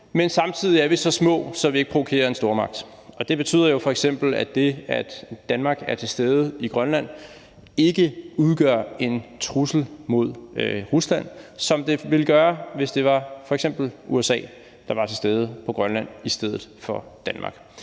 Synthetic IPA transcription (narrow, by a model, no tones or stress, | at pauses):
mensɑ̈mt͡sʰið̰ˠiæɐʋisɒ̽smɔ̰̽ːsɒ̽ʋieɡ̥̚pʰʁo̝ʋokʰe̝̰ːɐe̝nsd̥o̝ːɐmɑ̈ɡ̥̚d̥ | ɒ̽d̥e̝b̥e̝t͡sʰy̰ːð̰ˠɐjo̝fɒ̽eɡ̥sem̰b̥l̩æd̥e̝æd̥ːænmɑ̈ːɡ̥æɐt͡sʰe̝lsd̥eːð̞ˠəiɡ̥ʁɶnlæn̰ | e̝ɡ̥əuð̞ˠɡ̥ɶɐe̝nt͡sʰʁusl̩mo̝ð̞ˠøʁuslæn̰sɒ̽md̥e̝ʋe̝ləɡ̥ɶːɐʋe̝sd̥e̝ʋɑ̈fɒ̽eɡ̥sem̰b̥l̩uesɛ̰ː | d̥ɑ̈ʋɑ̈t͡sʰe̝sd̥eːð̞ˠəpʰɒ̽ɡ̥ʁɶnlæn̰isd̥eð̞̰ˠð̩ˠfɒ̽d̥ænmɑ̰̈ːɡ̥